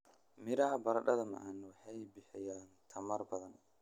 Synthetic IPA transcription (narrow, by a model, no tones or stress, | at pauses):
mɪɾɐhɐbɐɾɐɖɐðɐmɐ̰ʔɐnwɑħɑjbɪħɪjaːnt̪ʰɐmɐrbɐðɐn